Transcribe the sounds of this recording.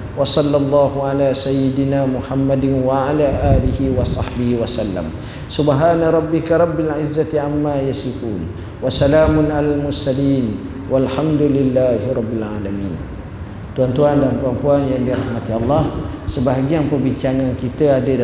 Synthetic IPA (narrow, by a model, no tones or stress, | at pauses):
wɑsɑlːɑlˤːɑːɦuʕalasajɪdinamuħamːadɪnwaʕalaʔaːlihiwɑsˤɑħbihiwasalːa̰m | subɦaːnaɾˤɑbːɪkaɾˤɑbːalʕɪzːat̪iʕamːajasifuːn | wasalaːmʊnalalmʊrsaliːn | walħamdulɪlːaːhiɾˤɑbːilʕalamiːn | t̪uant̪uandampuampuanjaŋdiɾahmat̪iɑlˤːɑh | səbaɦaɡianpərbiɲt͡ʃaŋankit̪əadə